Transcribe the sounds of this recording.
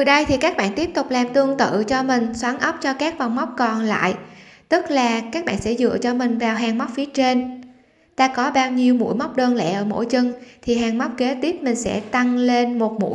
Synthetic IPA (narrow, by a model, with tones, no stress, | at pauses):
t̪ɨ˨˩ɗə˧jt̪ʰi˨˩kaː˦˥k̚ɓa̰ː˧˨nt̪i˦˥əp̚t̪ʊ˨˩k͡p̚laː˨˩mt̪ɨ˧əŋt̪ɨ̰˧˨t͡ɕɔ˧mï˨˩ŋ̟swaː˨˦nʔə˦˥wp̚t͡ɕɔ˧kaː˦˥k̚va˨˩wŋ͡mma˦˥wk͡p̚kɔ˨˩nla̰ː˧˨jt̪ɨ˦˥k̚laː˨˩kaː˦˥k̚ɓa̰ː˧˨nsɛ̰˧˥zɨ̰˧˨ət͡ɕɔ˧mï˨˩ŋ̟vaː˨˩wɦaː˨˩ŋma˦˥k͡p̚fi˨˦ət͡ɕe˧n | t̪aː˧kɔ˨˦ɓaː˧wɲi˧əwmṵ˧˥jma˦˥wk͡p̚ɗəː˧nlɛ̰˧˩ʔəː˧˩mo̰˧˥jt͡ɕɨ˧ŋt̪ʰi˨˩ɦaː˨˧˩ŋma˦˥wk͡p̚ke˨˦t̪i˦˥əp̚mï˨˩ŋ̟sɛ̰˧˥t̪a˧ŋle˧nmo˨˩t̚mṵ˧˥j